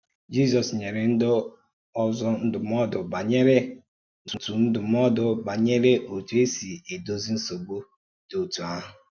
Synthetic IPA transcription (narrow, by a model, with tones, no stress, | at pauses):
d͡ʒi˦zɔ˨sɲe˨ɾɪ˨n̩˦dʊ˦ | ɔ˦zɔ˦n̩˦dʊ˨m˦ɔ˦dʊ˨ba˨ɲe˦ɾe˦˨ | tu˨tu˨n̩˦dʊ˨m˦ɔ˦dʊ˦ba˨ɲe˦ɾe˦ʔo˨tu˨e˦si˨e˨do˦zi˦n̩˦so˨bo˦ | do˨tu˨a˦ɦʊ˨